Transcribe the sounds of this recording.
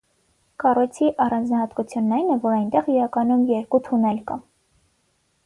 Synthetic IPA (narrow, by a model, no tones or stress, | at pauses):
kɑrɔjt͡sʰiʔɑrɑnd͡znɑhɑt̪kut͡sʰjunːɑjnɛvɔɾɑjnt̪ɛʁiɾɑkɑnumjɛɾkut̪ʰunɛlkɑ